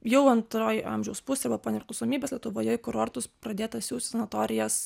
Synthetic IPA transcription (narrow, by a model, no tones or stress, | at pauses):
jɛʊɐnt̪ɾoːjʔɑ̰mʲʒʲɛʊspʊsʲeːɐbɐpoːnʲɛpʲɾʲɪklˠɐʊsoːmʲiːbʲeːsʲlʲiɛt̪ʊʋoːjojkʊɾoːɾt̪ʊspɾɐd̪ʲeːt̪ɐsʲuːt̪sʲɛnɐt̪oːɾʲɪjɛs